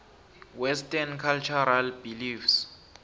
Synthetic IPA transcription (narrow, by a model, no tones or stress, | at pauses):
wɛstʼankʰalt͡ʃʰɔɾalbilifs